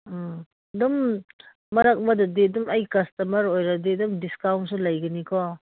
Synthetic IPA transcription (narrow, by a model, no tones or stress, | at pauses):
dumː | ɐɾak̚mɐdɐdidumɐjkɐstɐmɐɾojɾɐdidumdiskawnsulɐjɡɐnikʰɔ